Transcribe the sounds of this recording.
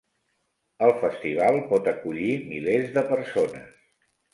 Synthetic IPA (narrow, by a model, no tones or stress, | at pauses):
əlˠfəst̪iβ̞alˠpɔt̪əkuʎimilezðəpəɾsonə̰s